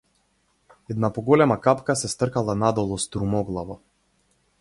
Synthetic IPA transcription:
ɛd̪napɔɡɔlɛmakapkasɛst̪r̩kalˠanad̪ɔlˠɔst̪ɾumɔɡlˠavɔ

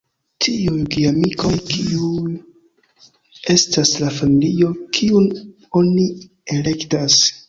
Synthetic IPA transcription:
tʰiujɡiamikʰo̞jkiuj | e̞staslafamilio̞kʰiun | o̞ni | ele̞ktas

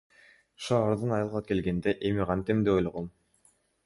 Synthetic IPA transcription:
ʃɑːɾd̪ɯnɑjɯlˠʁɑke̞lɡe̞nd̪e̞ʔe̞miʁɑnt̪emd̪eojloʁom

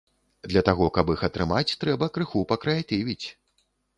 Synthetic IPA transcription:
d̪lʲɐt̪aɣɔkɐbixɐt̪ɾɨmat͡sʲt̪ɾɛbɐkɾɨxupɐkɾajat̪ivʲit͡sʲ

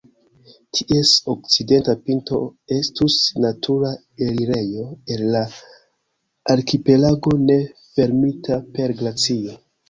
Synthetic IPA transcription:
tʰiʔe̞sok̚t͡side̞ntapinto̞̰e̞stusnatʰuɾa | eliɾe̞jo̞e̞lːa | aɾkipe̞laɡo̞ne̞fe̞ɾmitʰape̞ɾɡlat͡sio̞

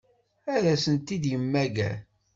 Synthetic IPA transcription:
æðæsənt̪id̪jəmːæɡæ

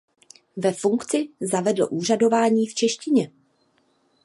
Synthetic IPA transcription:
vɛfuŋkt͡sɪzavɛdl̩̰ʔuːr̝ado̞vaːɲiːft͡ʃɛʃcɪɲɛ

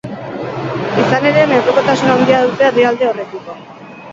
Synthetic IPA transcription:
isane̞ɾe̞met̪oko̞t̪asunand̪iaðut̪e̞aðiald̪e̞o̞re̞t̪iko̞

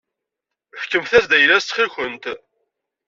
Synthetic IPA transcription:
fkːəmθæsd̪æjlæst͡s̪ːχəlçənt̪

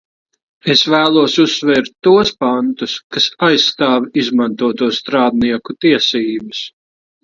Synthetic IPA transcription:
esvæːlˠuɔsusːvɛːɾt̪ʲːuɔspant̪uskasajsːt̪aːvizmãnt̪uɔt̪uɔst̪ɾaːd̪niɛkut̪iɛsiːbɨs

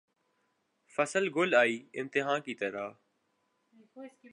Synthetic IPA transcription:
fəsəlɡʊlaːiːɪ̃mt̪ɪɦaːnkit̪əɾaː

